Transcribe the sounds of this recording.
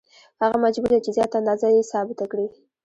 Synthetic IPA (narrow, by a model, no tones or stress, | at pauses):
haɣamad͡ʒbuɾat͡ʃezjɑt̪and̪ɑzajesɑbɪt̪akɽi